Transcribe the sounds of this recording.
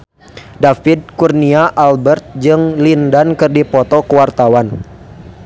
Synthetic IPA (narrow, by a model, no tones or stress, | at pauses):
dafid̚kurniaʔalbɛrt̪̚d͡ʒɨŋlindankɨrdipɔt̪ɔkəwart̪awan